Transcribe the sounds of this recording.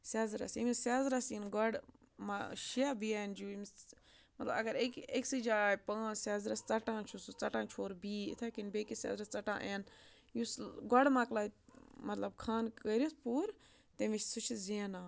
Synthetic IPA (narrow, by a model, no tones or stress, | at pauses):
saːzɾɐ̰simisaːzɾɐsinɡɔɽ | maʃiabiand͡ʒuːimi | mɐt̪lɐbɐɡɐɾekeksɨd͡ʒaːjpãːsaːzɾɐst͡sɐʈãːt͡ʃʰusut͡sɐʈãːt͡ʃʰoːɾbiːḭt̪ʰakinbeːkisʲa̰ːzɾɐst͡sɐʈã̰ːʔeːn | jusɡɔɽmaːklaːmɐt̪lɐbkʰaːnkəɾispuːɾ | t̪eʋit͡ʃsut͡ʃʰzeːnãː